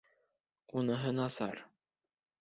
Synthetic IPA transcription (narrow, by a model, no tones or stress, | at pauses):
unɤ̆ɦɤnɑsɑ̰ɾ